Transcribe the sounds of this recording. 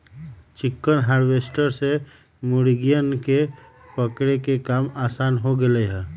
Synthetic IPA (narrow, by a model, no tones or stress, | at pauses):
t͡ʃɪkːənɦaːɾʋesʈəɾse | mʊɽiɡijənke | pəkɽekekaːmaːsaːnɦoɡeleɦɛ̃ː